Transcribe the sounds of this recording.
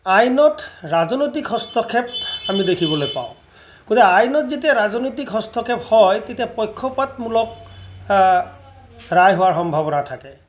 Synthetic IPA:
ajnɔtɹazɔnojt̬ikhɔstʰɔkʰɛp̚amidekʰibɔlojpa̰ʊ̃ | ɡ̥otɛajnɔtzet̬iaɹazɔnojt̬ikɦɔstʰɔkʰɛphɔjtetiapɔjkʰːɔpatmulɔk̚ | ɹajɦowaɹxɔmbʱabɔnatʰakɛ

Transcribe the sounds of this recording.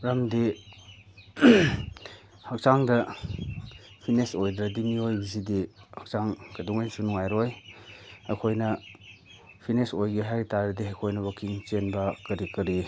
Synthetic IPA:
ɾɐmdi | hɐk̚t͡ʃaŋdɐ | pʰinesojdɾɐdimiojbizidihak̚t͡ʃaŋɡɐduŋajnsunuŋajɾoj | ɐ̰kʰojnɐ | pʰinesojɡiɦajɾitaɾɐdiɦakʰojnɐwɐkʰiŋt͡ʃenbɐkɐɾikɐɾi

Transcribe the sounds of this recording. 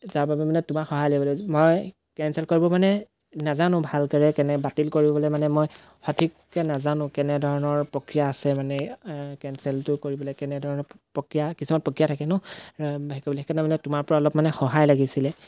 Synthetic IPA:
zaɹbabɛmanɛtʊmaxɔɦajlɔbɔlɛmɔj | kɛnsɛlkoɹibɔmanɛ | nazanʊ̃bʱalkəɹɛkɛnɛbatilkoɹibɔbɔlɛmanɛmɔj | xɔtʰik | kɛnazanʊ̃kɛnɛdʱɔɹɔnɔɹpɹɔkɹijaːsɛmanɛkɛnsɛltʊkoɹibɔlɛkɛnɛdʱɔɹɔnɔpɔkɹijakisumanpɔkɹijatʰakɛnɔbaikɔbɔlikɛnɛmanɛtʊmaɹpɔɹaɔlɔpmanɛxɔɦajlaɡisilɛ

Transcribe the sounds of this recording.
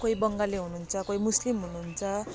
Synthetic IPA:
koibʌŋɡaleɦununt͡sʰʌkojmuslimɦununt͡sʰʌ

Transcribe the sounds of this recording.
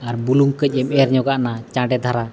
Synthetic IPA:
aɾbuluŋkəc̚ˀɛmɛɾɲɔɡaʔnat͡ʃãɖɛd̪ʱaɾa

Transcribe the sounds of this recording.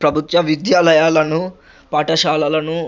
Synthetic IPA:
pɾɐbʱut̪ʋɐʋid̪jaːlɐjaːlɐnu | paːʈɐʃaːlɐlɐnu

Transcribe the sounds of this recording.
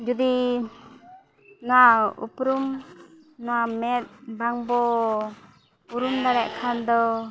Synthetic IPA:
d͡ʒud̪i | nɔaṵpɾum | nɔwamɛt̪̚baŋbɔ | uɾumd̪aɾɛʔkʰand̪ɔ

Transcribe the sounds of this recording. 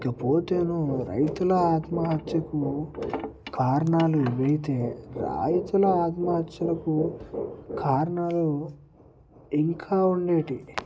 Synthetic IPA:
ikɐpo̞ːt̪e̞ːnuɾɐ̰jt̪ulɐaːt̪mɐɦɐt̪jɐku | kaːɾɐɳaːluiʋɐjit̪e̞ːɾa̰ːjit̪ulɐaːt̪mɐɦɐt̪jɐlɐku | kʰaːɾɐɳaːlu | iŋkʰaːuɳɖe̞ːʈi

